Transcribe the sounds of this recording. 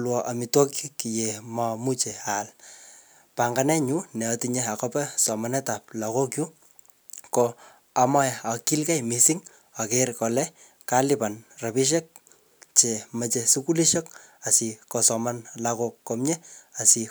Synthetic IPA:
lwɔʔa˨mitwɔ˦kiki˨jemamu˦t͡ʃe˨al | pa˨ŋɡa˦nɛ˦ɲunɛ˨ɔtiɲe˦a˨kɔpɛ˦sɔ˨ma˦nɛ˦ta˨p̚la˨ko˦kju˦ | kɔ | a˨ma˦jaki˦lka˦jmi˨siŋ | a˨kerkɔ˨lɛ˦ | kalipa˨nra˨pi˦ʃ̬ɛ˦k̚ | t͡ʃe˨ma˨t͡ʃesu˦ku˦li˦ʃɔ˦ka˨sikɔ˨sɔ˨ma˦nlakokːɔmɲɛ˦a˨si˨

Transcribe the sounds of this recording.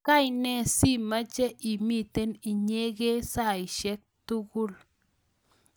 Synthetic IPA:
ka˦˨jnɛ˨si˦˨ma˦t͡ʃɛ˦ʔi˨mi˦˨t̪e˦ni˨ɲe˦ɣe˦sa˦˨ɪ˨ʃɛ˦k̚tu˦ɡʊ˦l

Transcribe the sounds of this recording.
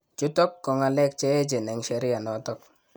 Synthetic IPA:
t͡ʃu˦tɔ˦kːɔ˨ŋa˨lɛ˦k̚t͡ʃe˦e˦d͡ʒe˨nɛ˨ŋʃe˨ɾi˦ja˨nɔ˨tɔ˦k̚

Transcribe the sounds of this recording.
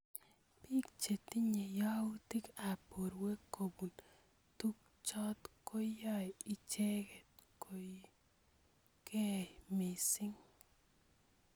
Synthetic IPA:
pi˦kt͡ʃe˨t̪i˦ɲe˨ja˦u˦t̪i˦ka˨po˨ɾwe˦ko˨bu˨n | tu˦k | t͡ʃɔ˦tko˦jɔ˦ji˨t͡ʃe˦kɛ˨tko˨ | kɛ˦me˨sɪ˦ŋ

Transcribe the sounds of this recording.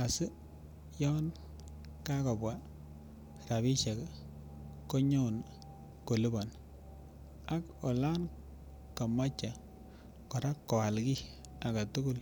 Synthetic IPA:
a˨sɪ˦ | jɔ˦n | ka˦kɔ˨bwa˨˦ | ra˨βɪ˦t͡ʃe˨k | ko˦ɲo˦˨n | ko˨li˦bɔ˨n | a˦k | ɔ˨la˦n | ka˨ma˦t͡ʃːa˨ | kɔ˨ɾa˦kːɔ˨a˨lki˦ | a˨ɡa˨tu˦ku˦l

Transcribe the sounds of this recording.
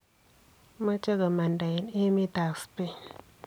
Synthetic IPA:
ma˦t͡ʃe˦ɡa˨ma˨nda˨ji˨ni˦mi˦ta˨kspe˦

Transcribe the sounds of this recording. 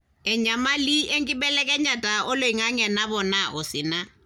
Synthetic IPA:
ɛ˨ɲa˨ma˦li˦ʔe˦ŋ̩kʼɪ˦bɛ˦lɛ˦kʼɛ˦ɲa˨tʼa˨ʊ˦lo˨i˨ŋa˦ŋɛ˨na˦bɔ˨na˦ʔʊ˨sɪ˨na˦

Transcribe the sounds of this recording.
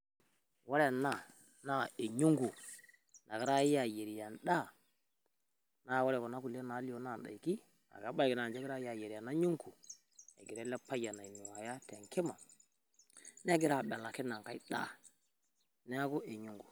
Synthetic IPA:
wa˦ɾɛ˨na˦˨ | na˦e˨ɲu˦ŋɡu˨ | na˨ɡi˨ɾa˦ja˨je˨ɾi˨ja˨nɗa˦˨ | na˦˨wo˦ɾɛ˨kɔ˨na˦ku˨le˦na˨˦li˦o˨˦na˦˨nɗa̰˨i˨ki˦ | a̰˨ɡa˨˦ba˦jki˨na˨d͡ʒe˦ɡi˦ɾa˦ja˨je˨ɾi˨ja˨na˦ɲu˦ŋku˨ | e˨ɡi˨ɾɛ˦lɛ˦pa˦ja˨na˨i˨nu˨wa˨ja˦te˨ŋki˦ma˨ | ne˦ɡi˦ɾa˦˨ɓɛ˨la˨ki˦na˨ŋka˦i˦ɗa̰˦ | ne˦ɡu˦ʔe˨ɲu˦ŋɡu˨

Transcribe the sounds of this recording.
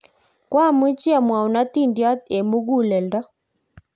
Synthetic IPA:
kwa˦˨mu˦t͡ʃi˦a˨mwa˨u˨na˦ti˦˨ndja˦te˨mu˦ɡu˦˨lɛ˨lda˦

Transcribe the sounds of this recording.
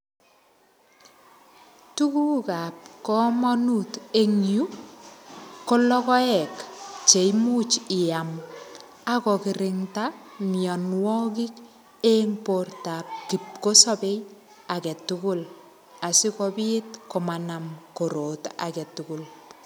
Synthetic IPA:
tu˦kuka˨p̚kɔ˦mɔ˦nute˦ŋju˦ | ko˦lɔ˦kɔ˦ɛ˨kt͡ʃe˨jmu˦t͡ʃɪ˨a˨m | a˦kɔ˨kɪ˨ɾɪŋtamjɔ˨nwɔ˦kɪ˦k | eŋporta˨p̚ki˨p̚ko˦sɔ˦pe˦j | a˨kɛ˨tʊkʊl | a˨sɪ˦kɔbi˦tko˨mana˨mko˨ɾo˨ta̰˨kɛ˨tukʊ˨l

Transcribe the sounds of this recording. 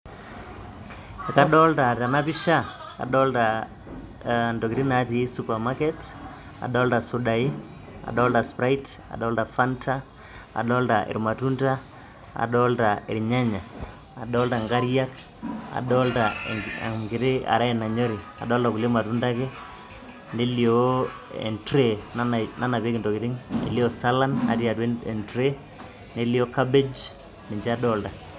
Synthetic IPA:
ɛ˨ka˦ɗɔ˦lta˨ta˨na˦pi˦ʃa˦ | a̰˨ɗɔ˦lta˨ | ndɔ˨ki˨ɾi˦na˨˦ti˨˦supa˨ma˦kɛ˦t | a̰˨ɗɔ˦lta˨su˨ɗa˨i˦ | a̰˨ɗɔ˦lta˨spɾa˦ita̰˨ɗɔ˦lta˨fa˦ntʰa˦ | a̰˨ɗɔ˦lta˨ʔḭ˨ɾma˨tu˦nta˦ | a̰˨ɗɔ˦lta˨ḭ˨ɾɲa˦ɲaː˨ | ɗɔ˦lta˨ŋɡa˦ɾja˦k | a̰˨ɗɔ˦lta˨a̰˨ɡɪ˨ɾe˦a̰˨ɾa˦ɛ˨na˨ɲɔ˦ɾi˨ | a̰˨dɔː˦lta˨kule˦ma˨tu˦nda˦kɛ˦ | ne˦lio˨ | ɛ̰˨ntɾe˨nna˦na˨pe˦kɪndɔ˨kɪ˨ɾi˦ŋḛ˨li˦o˦sa˦la˦na̰˨ti˦a˨te˨ntɾe˦ | ne˦li˦o˦ka˦be˦d͡ʒ | ni˨ɲd͡ʒa˦ɗɔ˦lta˨

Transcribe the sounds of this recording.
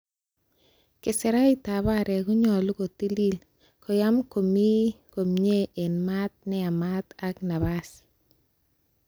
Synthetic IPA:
kɪ˨sɪ˨ɾa˦i˦ta˨ba˦˨ɾɛ˨kʊ˦ɲɔ˨lʊ˦ko˨ti˦li˦l | kɔ˨ja˦mko˨mi˦ko˨mɲe˦e˨nma˦t̪̚nɛ˦a˨ma˦t̪a˦kna˨βa˦s

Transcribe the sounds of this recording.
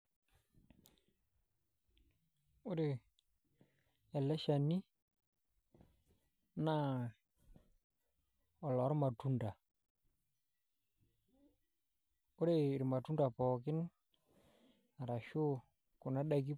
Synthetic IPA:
ʊ˦ɾe˨ | ɛ˨lɛ˦ʃa˨ni˦ | na˦ | ɔ˨lɔ˨ɾma˨tu˦nda˨ | ʊ˦ɾe˨ɾma˨tu˦nda˨pɔ˨kɪ˦n | a˨ɾa˨ʃo˦ | kʊ˨na˦ɗa˦˨k̬i˦

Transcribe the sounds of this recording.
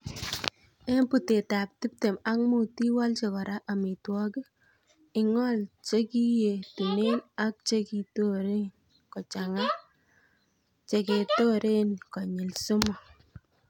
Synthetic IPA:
e˦mpu˨te˨ta˨p̚ti˦p̚te˨ma˦kmu˨ti˦wa˦lt͡ʃe˨kɔ˨ɾa˦ʔa˨mɪ˨twɔ˦ki˦ | ɪ˦ŋɔ˦lt͡ʃe˦ki˦je˨tu˨ne˦na˦k̚t͡ʃe˦ki˨to˦ɾe˦n | kɔ˨t͡ʃa˨ŋa˦ | t͡ʃe˨ke˨to˦ɾʔe˦nkɔ˨ɲɪ˨lsʊ˦mɔ˨

